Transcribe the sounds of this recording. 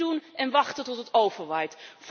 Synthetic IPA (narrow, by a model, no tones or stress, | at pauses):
unʔɛnʋɑχtətɔtətowvəɹʋɛjtf